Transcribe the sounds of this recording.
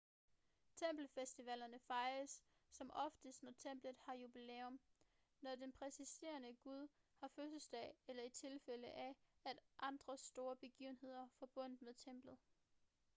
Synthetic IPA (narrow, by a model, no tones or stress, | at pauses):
t͡sʰem̰b̥l̩fesd̥iʋɛlɐnəfɑ̈ɪəsː | ɒ̽mʔɒ̽fd̥əsd̥nɒt͡sʰem̰b̥lð̩ˠhɑ̈jub̥ileːɔm | nɒd̥enpʰʁɛsise̝̰ːɐnəɡ̥uð̞ˠ | hɑ̈føsəsd̥ɛ̰ːɪelɐit͡sʰe̝lfeləʔææd̥ʔɑ̈nd̥ʁɐsd̥o̝ːɐb̥e̝ɡ̥ḭːʊn̩he̝ð̰ˠɐfɒ̽b̥ɔ̽n̰d̥̩ˠmeðˠt͡sʰem̰b̥lð̩ˠ